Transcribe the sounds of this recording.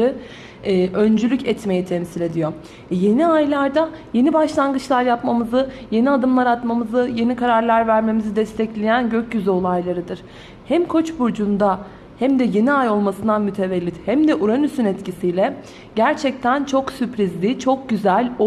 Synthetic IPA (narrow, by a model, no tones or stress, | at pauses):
ɯː | ø̞nd͡ʒylʲycɛt̪me̞jit̪ʰɛmsilʲe̞d̪ijo̞ | ɛje̞niajlʲˠaɾd̪aje̞nibaʃlˠanɡɯt͡ʃlˠaɾjapmamɯzɯje̞niad̪ɯmlˠaɾat̪mamɯzɯje̞nikʰaɾaɾlˠaɾvæɾme̞mizid̪ɛst̪ʰɛclʲejænɟøcɟyzyo̞lˠajlˠaɾɯd̪ɯɾ̥ | hæmkʰo̞t͡ʃbuɾd͡ʒund̪a | hæmd̪ɛje̞niajo̞lˠmasɯnd̪anmyt̪ʰe̞vɛlʲːit̪hæmd̪ɛʔuɾanysynɛt̪cisijlʲɛ | ɟæɾt͡ʃʰɛc̚t̪ʰænt͡ʃʰo̞ksypɾizlʲit͡ʃʰo̞k̚ɟyzælʲo